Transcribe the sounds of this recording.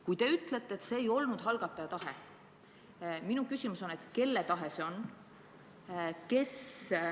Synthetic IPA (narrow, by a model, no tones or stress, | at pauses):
kujt̪e̞yt̪ːˑlet̪ːˑeet̪se̞ːjo̞lnud̪̥ɦɑlɡ̥ɑt̪ːˑɑjɑt̪ɑhe | minukysʲimuso̞net̪ke̞lːet̪ɑɦese̞o̞n | ke̞s